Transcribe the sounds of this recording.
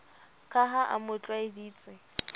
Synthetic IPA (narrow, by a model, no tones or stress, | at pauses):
kʼaɦaʔa̰mʊt͡ɬʼwaɪdiːt͡sʼɪ